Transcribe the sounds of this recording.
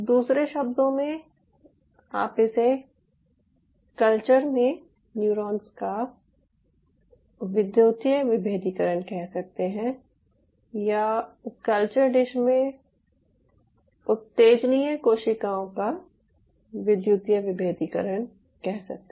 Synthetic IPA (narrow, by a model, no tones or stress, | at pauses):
d̪uːsɾeʃɐb̚d̪õmẽ | a̰ːpese | kəlt͡ʃəɾmẽ | njuːɾɔːnska | ʋɪd̪juːt̪jəʋɪbʱeːd̪ʱikəɾəɳkɛɦsɐk̚t̪eɦɛ̃ | jakɐlt͡ʃəɾɖɪʃmẽ | ʊt̪ːeːd͡ʒniẽkoːʃɪkaːõka | ʋɪd̪jut̪jəʋɪbʱeːd̪ikə̰ɾəɳ̃ | kɛɦsɐ̰k̚t̪e